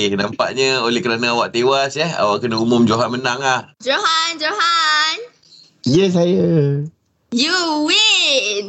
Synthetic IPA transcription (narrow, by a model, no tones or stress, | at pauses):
hnampa̰ʔɲə̃olɛhkəɾanəawaʔt̪ewasjɛha̰waʔkənəumʊmd͡ʒoɦanmənaŋlahd͡ʒoɦand͡ʒoɦan | jəs̬ajə | juwi